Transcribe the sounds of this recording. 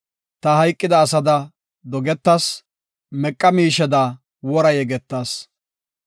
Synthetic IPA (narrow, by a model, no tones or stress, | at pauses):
t̪ɐhɐjkʼːɪd̪ɐːsɐd̪ɐ | d̪ɔɡɛt̪ːɐs | mɛkʼːɐmiːʃɛd̪ɐ | wɔɾɐjɛɡɛt̪ːaːs